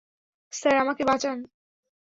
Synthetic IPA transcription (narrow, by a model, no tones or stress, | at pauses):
saɾamakebat͡ɕan